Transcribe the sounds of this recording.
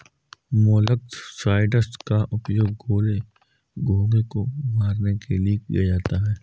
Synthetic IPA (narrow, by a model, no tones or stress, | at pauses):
moːlək̚t̪saːɪɖəsʈkaʔʊpjoːɡ̚ɡoːle | ɡʱoːɡekomaːɾnekeliekḭjad͡ʒaːt̪aɦɛː